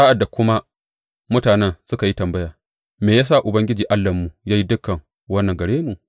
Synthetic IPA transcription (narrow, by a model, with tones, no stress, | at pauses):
aː˦ʔa˨dːa˨kʷʊ˦ma˦ | mʊ˦taː˨nɛ˦nsʊ˦ka˨ji˦tɐ˨mbɐ˦jaː˨ | meː˨jaː˦s̬a˦˨ʔʊ˨bɐ˦ŋɡʲɪ˦d͡ʒiː˨ʔa˦lːɐ˨mːu˨ja˦ji˦dʊ˦kːɐ˨ŋ | wɐ˦nːɐ˨ŋɡɐ˨ɽeː˦mu˨